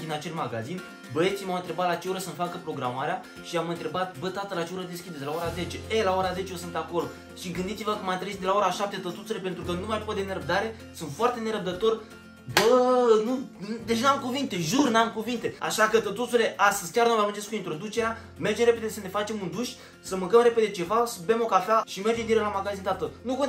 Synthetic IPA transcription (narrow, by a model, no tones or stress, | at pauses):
d̪inat͡ʃe̞lmaɡazin | bəet̪simawnt̪ɾe̞bat̪lat͡ʃeoɾəsənfakəpɾo̞ɡɾamaɾea | ʃiamɨnt̪ɾe̞bat̪̚bət̪at̪əlat͡ʃeoɾəd̪eskʲid̪eelao̞ɾaze̞t͡ʃe̞elao̞ɾaze̞t͡ʃeosɨnako̞l | ʃiɡɨnd̪it̪ivəkəmant̪ɾeid̪elao̞ɾaʃap̚t̪e̞t̪ət̪ut̪sule̞pent̪ɾukənumajpot̪d̪e̞ne̞ɾəb̚d̪aɾe̞ | sunt̪foart̪e̞ne̞ɾəb̚d̪ət̪o̞r | bənud̪et͡ʃnamkuvint̪e̞ʒurnamkuvint̪e̞a̰ʃakət̪ət̪ut̪sule̞ʔast̪əz̥kʲarnovamund͡ʒeskuint̪ɾo̞d̪ut͡ʃe̞ɾea | me̞rd͡ʒemɾe̞pe̞d̪esəne̞fat͡ʃe̞mund̪uʃ | səmɨŋkəmɾe̞pe̞d̪e̞t͡ʃe̞vasəbemo̞kafeaʃimerd͡ʒemd̪ielamaɡazint̪at̪ənuko